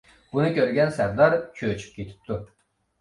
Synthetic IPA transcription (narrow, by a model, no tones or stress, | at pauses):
b̥unɨkʲʰøɾɡʲɛnsæɾd̪ɑɾt͡ʃʲʰøt͡ʃʰy̥p̚kʲʰet̪ʰi̥p̚t̪ʰu